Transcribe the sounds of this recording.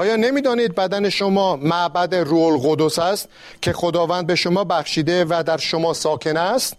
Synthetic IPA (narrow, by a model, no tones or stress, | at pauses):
ʔɒːjɒːne̞miːd̪ɒːniːd̪̚bæd̪æne̞ʃomɒːmæʔbæd̪eruːolɣod̪osæst̪ | cʰe̞xo̞d̪ɒːvæːnd̪̚be̞ʃomɒːbæxʃiːd̪e̞væd̪æɾʃomɒːsɒːkʰe̞næst̪